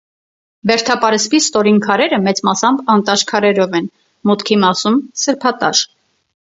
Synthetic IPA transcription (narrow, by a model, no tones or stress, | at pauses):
bɛɾt̪ʰɑpɑɾɛspist̪ɔɾinkʰɑɾɛɾəmɛt͡smɑsɑmbɑnt̪ɑʃkʰɑɾɛɾɔvɛn | mut̪kʰimɑsumsəɾpʰɑt̪ɑ̰ʃ